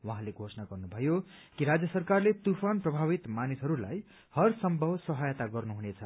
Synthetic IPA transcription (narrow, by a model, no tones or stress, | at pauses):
waɦãleɡʱosʌnaɡʌrnubʱʌjokiɾad͡zjʌsʌrkarlet̪upʰanprʌbʱaβit̪manisɦʌɾulaj | hʌrsʌmbʱʌbsʌɦajʌt̪aɡʌrnuɦunet͡sʰʌ